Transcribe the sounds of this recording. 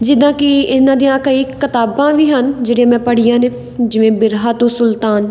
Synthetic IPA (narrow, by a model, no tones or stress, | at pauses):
d͡ʒɪd̪ãːkɪɪnãːd̪ijãːkəiːkɪt̪aːbãːʋiːɦənd͡ʒeːɽejãːmɛ̃ːpəɽɪjãːneː | d͡ʒɪʋẽːbɪɾɦaːt̪õːsʊlt̪aːn